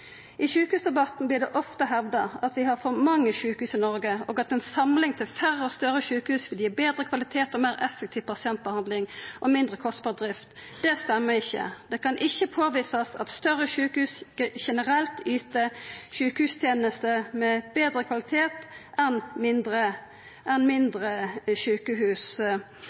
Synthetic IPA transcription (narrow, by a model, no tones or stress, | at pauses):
ʔɪʃʉːkəhʉːsd̪ɛbɑt̪n̩blɪd̪ɛʔɔft̪əɦɛʋd̪ɑɑt̪ʋɪhɑɾfɔɾmɑŋːəʃʉːkhʉːsɪnɔɾɡəo̰ːɡɑt̪ɛnsɑmlɪŋt̪ʰɪlfæɾəɔst̪œɾəʃʉːkəhʉːsʋɪljiːbeːd̪ɾəkʰʋɑlɪt̪ʰeːt̪ɔmeːɾɛfːɛk̚t̪ʰiːʋpʰɑsɪɛnt̪̚bəhɑnd̪lɪŋʔɔmɪnd̪ʁəkʰɔst̪̚bɑːʁəd̪ʁɪft̪d̪̥ɛst̪ɛmːəɪçːə̰d̪̥ɛkɑnʔɪçːəpʰoːʋiːsɑsɑ̰t̪st̪œʁəʃʉːkəhʉːsʃɛnəʁɛlt̪yːt̪əʃʉːkəhʉːst̪ʰjeːnəst̪əmɛb̥eːd̪ɾəkʰʋɑlɪt̪ʰeːt̪ɛnmɪnd̪ɾə | ɛnmɪnd̪ɾəʃʉːkəhʉːs